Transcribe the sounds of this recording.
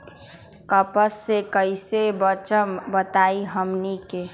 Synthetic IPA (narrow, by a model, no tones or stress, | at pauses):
kəpəsːekəɪsebət͡ʃəmbət̪aːiɦəmnike